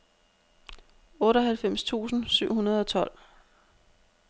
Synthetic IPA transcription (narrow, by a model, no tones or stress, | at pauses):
ɔ̽ːɾɒ̽ɦælfem̰st͡sʰṵːsn̩syʊ̰hunɐð̞̩ˠɒ̽t͡sʰɒ̽l̰